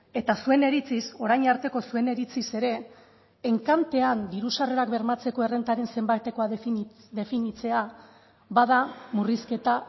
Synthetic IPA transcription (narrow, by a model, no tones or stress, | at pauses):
e̞t̪asue̞ne̞ɾit͡siso̞ɾajɲaɾt̪e̞ko̞sue̞ne̞ɾit͡sise̞ɾe̞ː | ŋkant̪e̞and̪iɾusare̞ɾakbe̞ɾmat͡se̞ko̞e̞re̞nt̪aɾe̞nse̞mbajt̪e̞ko̞að | d̪e̞finit͡se̞a | βað̞amuriske̞t̪a